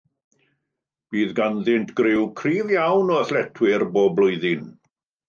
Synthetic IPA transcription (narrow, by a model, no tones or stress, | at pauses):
b̥iːðɡanðɪntʰɡ̥rɪwkʰriːvjawnɔəθlɛtʰwɪrboːblˠʊɨðɪn